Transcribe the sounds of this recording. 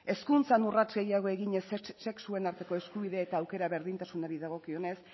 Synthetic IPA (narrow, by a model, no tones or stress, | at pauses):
e̞skunt͡sanurat͡ʃɣe̞jaɣ̞o̞e̞ɣiɲe̞sse̞ksue̞naɾt̪e̞ko̞e̞skuβiðe̞ːt̪aːwke̞ɾaβe̞ɾðint̪asuno̞ɾiðaɣo̞kio̞ne̞s